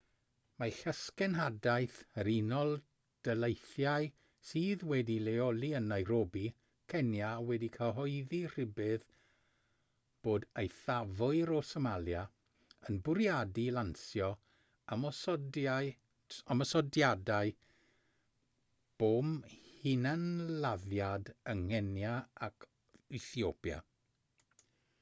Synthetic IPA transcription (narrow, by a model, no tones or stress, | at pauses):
maɬəskɛnɦadaɨθəɾinɔlˠ | d̥əlejθjaɨ | siːðwɛdileɔlˠiənajɾoːbi | kʰɛnjawɛdikʰəɦɔɨðir̥ɪbɨð | b̥oːdejθavʊɨɾɔsəmalˠja | ənbʊɾjadilˠansjɔ | amɔsɔa | amɔsɔdjadaɨ | b̥oːmhɪnanlaðjadəŋɛnjaakʰ | ɪθiopja̰